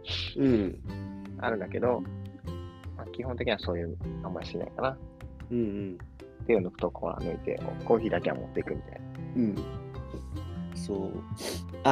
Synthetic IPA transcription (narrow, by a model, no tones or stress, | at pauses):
ɯ̟̃ːɴ | a̰ɾɯ̟nd̪ake̞d̪o̞ | makʲiɦõnt̪ekʲiɲiaso̞ːjɯ̟ːmamːaiɕt̪ena̰ikanaɯ̟̃ɴ̃ɴ | t̪ːejɯ̟nokɯ̟̥t̪okʰoβa̰nɯit̪ḛʔo̰ko̞ːçiːd̪ake̞a̰mo̞̰t̪ːeikɯ̟mʲit̪a̰jnaɯ̟̃ɴ | soː | a